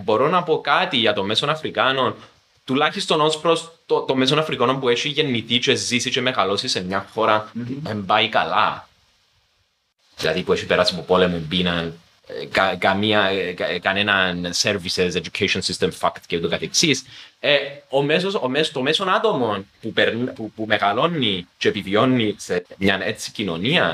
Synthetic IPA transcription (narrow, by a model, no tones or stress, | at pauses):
bo̞ɾo̞nɐpo̞kat̪iʝɐt̪o̞meso̞nɐfɾikano̞n | t̪ulaçist̪o̞nospɾost̪ot̪ome̞s̬o̞nɐfɾikono̞mpueʃiʝe̞nːit̪it͡ʃezisit͡ʃeme̞ɣalo̞sise̞mɲɐxo̞ɾɐembaikɐ̰la̰ | ðilɐ̰ðipue̞ʃipeɾasiɐpopo̞lemuembinɐn | kakɐmiɐkkɐnenɐnseɾvisesed͡ʒukʰeʃonsist̪emfakt̪ceut̪okɐt̪eksiseomes̬osomest̪o̞meso̞nat̪o̞mo̞npupeɾnpupumeɣɐlo̞nːit͡ʃeepivio̞nːisemɲɐnet͡sːi̥cino̞niɐ